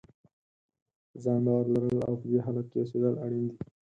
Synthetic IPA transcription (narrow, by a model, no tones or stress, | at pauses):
zɑːnd̪ɑːɾlaɾəla̰wpəd̪eɦalakkesed̪əlaɽind̪i